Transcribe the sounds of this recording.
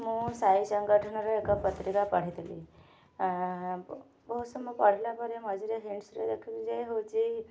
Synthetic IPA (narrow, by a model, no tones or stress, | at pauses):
mũsaisəŋɡəʈʰənɔɾəekəpət̪ɾikapəɽ̤it̪lḭ | bəɦusəmũpəɽ̤ilapəɾeməd͡ʒiɾeɦiɳɖsɾḛd̪ekʰibid͡ʒəjɦot͡ʃi